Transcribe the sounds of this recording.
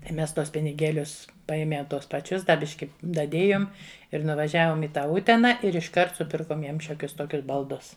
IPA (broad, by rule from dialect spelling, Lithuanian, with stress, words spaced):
tɐɪ ˈmʲɛs ˈtuɔs pʲɪnʲɪˈɡʲeːlʲʊs ˈpɐeːmʲɛ ˈtuɔs pɐˈt͡ʃʲʊs dɐ ˈbʲɪʃʲkʲɪ dɐˈdʲeːjoːm ɪr nʊʋɐˈʒʲæːʋoːm ɪ ˈtɑː ˈʊtʲɛnɐ ɪr ɪʃˈkɐrt sʊˈpʲɪrkoːm ˈjiɛm ˈʃʲoːkʲʊs ˈtoːkʲʊs bɐlˠˈdʊs